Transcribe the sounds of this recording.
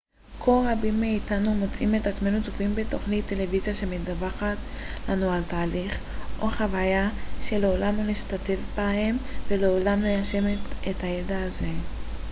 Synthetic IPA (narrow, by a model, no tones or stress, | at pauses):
kʰo̞lʁabimːeitanumo̞t͡sʔimetat͡sme̞nut͡sofimbeto̞χnit̪ːe̞le̞vizjaʃe̞medavaχat | lanualtaːliχ | ʔo̞χavajaʃe̞leolamuliʃtate̞vbahe̞mveleo̞lamlejaʃe̞metethajedaːze̞